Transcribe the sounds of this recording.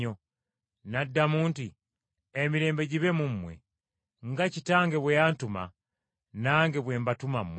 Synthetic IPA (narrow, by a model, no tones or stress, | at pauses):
o | nadːamuːnti | emiɾe̞ːmbe̞ɟiβemumːwḛ | ŋɡacitaːŋɡeβwejantuma̰ | naːŋɡeβweːmbatumamːwe